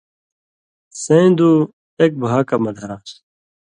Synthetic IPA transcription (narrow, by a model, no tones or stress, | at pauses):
sẽd̪u | ek̚bʱaːkɐmɐd̪ʱaːs